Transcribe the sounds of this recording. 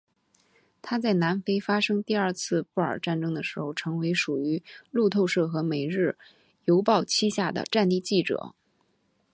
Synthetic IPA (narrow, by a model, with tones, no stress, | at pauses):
t̪ʰa˥t͡sa˥˩ɪna˧˥nfe˥ɪfa˥ʂɤ˥ŋt̪i˥˧ɐ˞˥˧t͡sʰɹ̩˥˧pu˥˩ə̰˞˨˩ʈ͡ʂa˥˩nʈ͡ʂɤ˥ŋd̪ə˨˩ʂɻ̩˧˥xo˥˧ʊʈ͡ʂʰɤ˧˥ŋwe˧˥ɪʂu˨˩y˧˥lu˥˧t̪ʰo˥˧ʊʂɤ˥˩xɤ˧˥me˨˩ɪɻɻ̩˥˩ | jo˧˥ʊpɑ˥˧ʊt͡ɕʰi˥ɕja˥˩d̪ə̰˩ʈ͡ʂa˥˧nt̪i˥˧t͡ɕi˥˩ʈ͡ʂɤ̰˨˩˦